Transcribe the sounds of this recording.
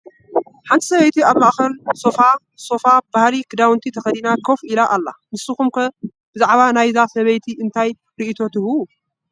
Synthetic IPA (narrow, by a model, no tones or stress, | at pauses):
ħant̪ʰi̥sɐβɐjt̪ʰiaβmaʔxɐlsofa | so̞fab̥ahlikʰɨd̪awnt̪ʰit̪ʰɐxɐd̪inakʰofilaʔalːa̰mɨsuxumkʰɐ | b̥ɨzaʕβanajzasɐβɐjt̪ʰiʔɨnt̪ʰaj | ɾiʔit̪ʰo̞t̪ʰɨwu